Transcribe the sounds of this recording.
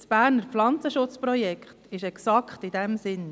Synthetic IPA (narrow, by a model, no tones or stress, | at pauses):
sb̥æːɾnəɾflɑnt͡səʃʊt͡spɾɔjɛkχtɪʃɛksɑkχtɪdɛmsɪn